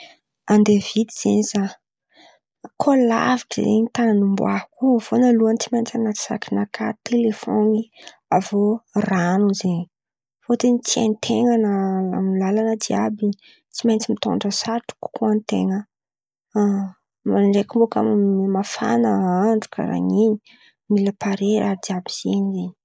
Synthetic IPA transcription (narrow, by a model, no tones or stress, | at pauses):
and̪evid̪iz̥eniza | kʰola̰viʈ͡ʂə̰zḛɲit̪ananumbṵahkuv̥onaluant͡simajnt͡sanat͡s̪i̥sa̰kinakʰat̪ʰelefoni | avoranuzeɲi | fot̪enit͡sia̰nt̪ʰeŋanəa̰mlalanəd̪iabi | t͡simajnt͡simit̪o̰ɳɖ͡ʐəsaʈ͡ʂu̥ku̥kuant̪ḛŋə | maɳɖ͡ʐekumboka̰mmafa̰nəaɳɖ͡ʐu̥ka̰ɾa̰ŋiɲi̥ | miləpaɾeɾad̪iabiz̥eɲizeɲi̥